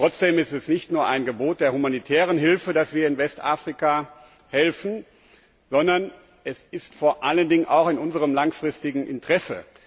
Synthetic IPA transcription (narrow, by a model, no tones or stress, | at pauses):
ʁ̥ɔt͡sd̥eːmɪstɛsnɪçtnuːɐʔaɪnɡəboːt̚d̥eːɐhumanitʰɛːʁ̞ənɦɪlfədasv̥iːɐɪnvɛstʔa̰ːfʁ̥ika | hɛlfn̩ | z̥ɔndɐn | ʔɛsɪstfoːɐʔaləndɪŋənʔaʊxɪnʔʊnzəʁəmlaŋfʁ̥ɪstɪɡŋ̩ʔɪ̰ntʁ̥ɛsə̰